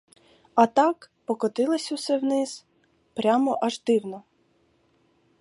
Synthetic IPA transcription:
ɐt̪ɑkpɔkɔt̪ɪlˠesʲusɛwnɪz | pɾʲamɔʔɐʒd̪ɪwnɔ

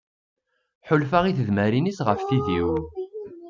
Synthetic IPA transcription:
ħʊlfaʁiθəðmæɾinisʁəfθiðiw

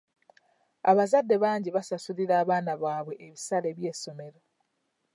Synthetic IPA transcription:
aβazadːe̞βaːɲɟiβasasuliɾaːβaːnaβaːβwe̞ʔːβisale̞βjeːso̞me̞ɾo

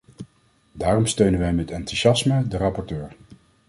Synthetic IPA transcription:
daːrɔmstøɥnənʋɛjmɛtɑntuʃɑsmədərɑpɔɹtøːɹ

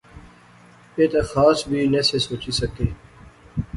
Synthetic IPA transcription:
eːt̪exaːsbʱiːnesesoːt͡ʃisəkeː

